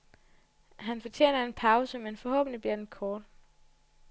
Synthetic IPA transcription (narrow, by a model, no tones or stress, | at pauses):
ɦænfɒ̽t͡ɕʰjḛːnɐe̝npʰɑ̈ʊsəmenfɒ̽hɔ̰̽ːb̥n̩libeɐ̥nkʰɒːd̥